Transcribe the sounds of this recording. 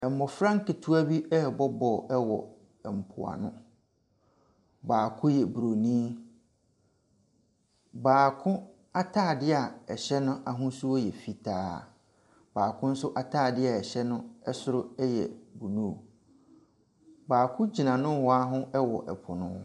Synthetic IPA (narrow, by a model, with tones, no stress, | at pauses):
ɛ˨m̩˨mɔ˨fɾã˦ŋ˦kɪ˨tʰu˦a˦bi˦ʔɛ˦˨bɔ˦bɔ˨ɛ˦wɔ̰˨ | ɛ˨m̩˨pʰʊ̰˨a̰˨nʊ̰̃˦ | baː˨kʰʊ̃˦jɛ˨bɾo˨nĩ˦ | baː˨kʰʊ̃˦ | a˦tʰaː˦˨dɪ˦a˨ɛ˨ɕɛ˦nʊ̃˦ʔa˨ɦʊ̃˦sʊ˦ɔ˦jɛ˨fi˦tʰaː˦˨ | baː˨kʰʊ̃˦n̩˦sʊ˦ʔa˨tʰaː˦˨dɪ˦a˨ɛ˨ɕɛ˦nʊ̃˦ɛ˦sʊ˦ɾʊ˦ɛ˦jɛ̰˨bu˨nũ˦˨ | baː˨kʰʊ̃˦d͡ʑi˨nã˨nʊ̃˦hɔ˦a˦ɦʊ̃˦ɛ˦wɔ̰˨ʔɛ˨pʰʊ˨nʊ̰̃˦